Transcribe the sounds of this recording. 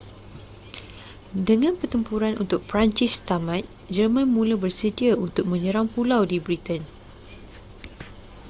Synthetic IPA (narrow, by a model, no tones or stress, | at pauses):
dəŋãnpərt̪əmpuɾanʔṵnt̪ʊk̚pɾaɲt͡ʃist̪amãt̪̚ | d͡ʒərmãnmũlabərsədiaunt̪ʊk̚mə̃ɲə̃ɾaŋpulawdibɾit̪ən